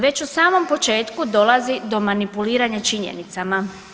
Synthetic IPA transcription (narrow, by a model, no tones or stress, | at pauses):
ʋe̞t͡ɕusaːmo̞mpo̞t͡ʃe̞ːt̪kud̪o̞lˠazid̪o̞manipuliːɾaɲat͡ʃiɲḛnit̪sama